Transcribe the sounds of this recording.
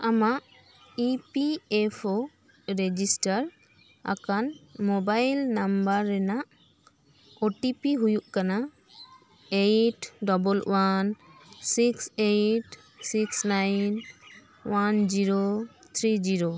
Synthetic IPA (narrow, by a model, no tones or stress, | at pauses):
amaʔ | ipiepʰo | ɹed͡ʒisʈaɹ | a̰kanmɔbajlnambaɾːɛnaʔ | oʈipiɦujuʔkana | ejʈdɔbɔlwansiksejʈ | siksnajn | wand͡ʒiɹot̪ʰɾid͡ʒiɹo